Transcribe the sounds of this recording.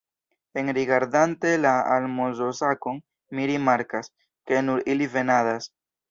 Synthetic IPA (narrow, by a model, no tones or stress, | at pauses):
e̞nɾiɡaɾdante̞laalmozo̞sako̞ŋ | miɾimaɾkas | ke̞nuɾilive̞nadas